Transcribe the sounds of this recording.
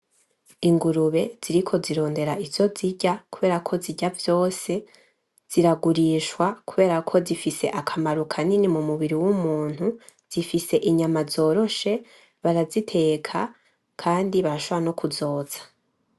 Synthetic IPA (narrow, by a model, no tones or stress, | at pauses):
iŋɡuɾuβe̞z̥iɾikʰo̞ziɾo̞ːnde̞ɾaivjo̞ziɟakuβe̞ːɾakʰo̞ziɟavjo̞ːse̞ | z̥iɾaɡuɾiʃwakuβe̞ːɾakʰo̞zifise̞̰ʔakʰamaɾukʰaninimumuβiɾiwumuːn̥hu | z̥ifise̞ʔiɲamazo̞ːɾo̞ʃe̞ | βaɾazitʰe̞ːkʰa | kʰaːndiβaɾaʃoβoβano̞kʰuzo̞ːz̥ḁ